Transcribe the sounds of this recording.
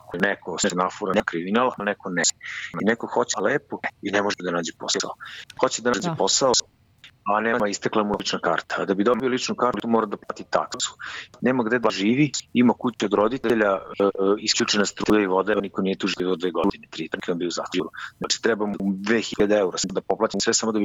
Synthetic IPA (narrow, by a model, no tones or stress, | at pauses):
konɛkosenafuɾankɾiminalanɛkonemainɛkoxo̞t͡ɕeleːpoinɛmoʒd̪anaːd͡ʑeposa̰oxot͡ɕed̪anaːd͡ʑeposao | anemaist̪eklˠamulit͡ʂnaka̰ːɾt̪ḁːd̪abid̪ombiolit͡ʂnukaɾlimoɾad̪aplˠaːt̪it̪a̰k̪asku̥neːmaɡd̪ed̪aʒiːʋiimakut͡ɕeod̪ɾod̪it̪eeʎa | iskʎut͡ʂenast̪ɾuːjaiʋo̞d̪aanikonijet̪uʒiiʋod̪ʋe̞ːɡoud̪inet̪ɾit̪kiond̪iozat̪uɾuzat͡ʃi̥t̪ɾɛbamud̪ʋeːxiʎad̪eeuɾasad̪apoplˠaːt̪imsʋɛsamo̞d̪abi